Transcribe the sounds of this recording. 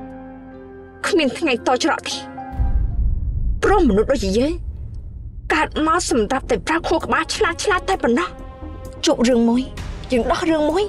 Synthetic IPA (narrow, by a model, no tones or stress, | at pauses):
kʰmiənt̪ʰŋajt̪oːt͡ɕrɑ̰ʔt̪iː | proəmːɔnuhɗoːj̚t͡ɕiːjəːŋ | kaət̪̚maəlsɑmrap̚t̪aɛprakʰoəhkə̆ɓaːlt͡ɕʰlaːl̚t͡ɕʰlaːt̪̚ːaɛpɑnːɑh | t͡ɕup̚rɨəŋmuəjjəːŋɗɑhrɨəŋmuəj